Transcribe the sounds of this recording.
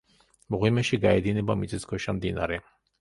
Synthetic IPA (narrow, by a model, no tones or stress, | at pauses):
mɔʁimɛʃiɡaɛd̪inɛbamit͡s̪ʰɛsɡɔʃamd̪ina̰ɾɛ